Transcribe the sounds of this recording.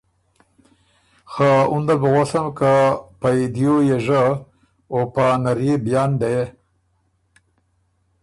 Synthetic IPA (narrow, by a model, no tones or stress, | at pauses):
xaund̪abəɣoɬamkapajd̪jojeʐə | opanaɾjebjɑːnd̪aje